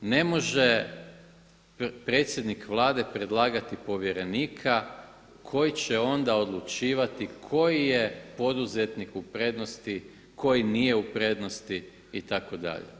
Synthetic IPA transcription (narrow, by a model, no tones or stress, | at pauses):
ne̞mo̞ʒe̞ | pɾe̞ːt̪sje̞d̪nikʋlˠaːd̪e̞pɾe̞d̪lˠaːɡat̪ipo̞ʋje̞ɾe̞niːkʰa | kʰo̞jit͡ɕeo̞nd̪ao̞d̪lut͡ʃiːʋat̪ikʰo̞jijepo̞d̪uze̞t̪nikupɾe̞ːd̪no̞st̪i | ko̞jinije̞upɾe̞ːd̪nost̪i | it̪ako̞d̪a̰ʎḛ